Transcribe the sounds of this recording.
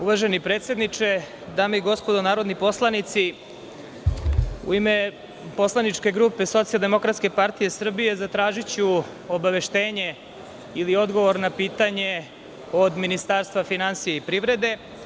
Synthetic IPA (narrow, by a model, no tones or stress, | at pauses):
uʋaʒenipɾet̪sʲe̞d̪nit͡ʂe̞ | d̪aːmeiɡo̞spo̞d̪onaːɾo̞d̪nipo̞slˠanit̪si | ṵime | po̞slˠanit͡ʂke̞ɡɾuːpeso̞t̪sijalˠd̪emo̞kɾat̪ske̞paɾt̪ije̞sr̩bije̞zat̪ɾaːʒit͡ɕu | obaʋe̞ʃt̪e̞ːɲe̞ | ilio̞d̪ɡo̞ʋoɾnapiːt̪aɲe̞ | od̪minist̪aɾst̪vʋafinansijeipɾiʋɾe̞d̪e̞